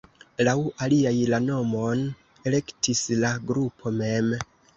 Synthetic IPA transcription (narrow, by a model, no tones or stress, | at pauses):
lawaliajlano̞mo̞n | e̞le̞ktʰislaɡɾupʰo̞me̞m